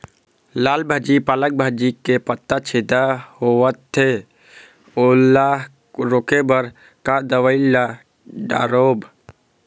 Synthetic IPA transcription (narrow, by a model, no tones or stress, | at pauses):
laːlbʱəd͡ʒipaːlək̚bʱəd͡ʒikepət̪ːat͡ʃʰed̪ahoət̪ʰːe | olːaːɦ | ɾoːkebəɾ | kad̪əʋəɪlːa | ɖa̰ːɾoːb